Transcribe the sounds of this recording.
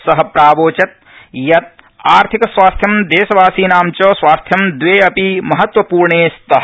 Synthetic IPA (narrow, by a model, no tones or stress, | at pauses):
sɐɦɐpɾaːʋoːt͡ʃɐt̪̚ | jɐt̪̚ | aːɾt̪ʰikɐsʋaːst̪ʰjɐmd̪eːʃɐʋaːsiːnaːmt͡ʃoːsʋaːst̪ʰjɐmd̪ʋeːɐpimɐɦɐt̪ʋɐpuːɾɳeːst̪ɐɦ